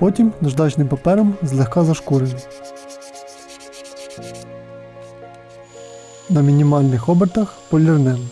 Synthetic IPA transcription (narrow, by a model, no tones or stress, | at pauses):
pɔtʲimnɐʒd̪ɑt͡ʃnɪmpɐpɛɾɐmzlˠexkɑzɐʃkuɾej | nɐmʲinʲimɑlʲnɪxɔbert̪ɐxpɔlʲirnɪlˠ